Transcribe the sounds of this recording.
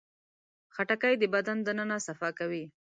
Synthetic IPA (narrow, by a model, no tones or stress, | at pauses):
xaʈakajd̪əbad̪and̪ənənasafɑkawi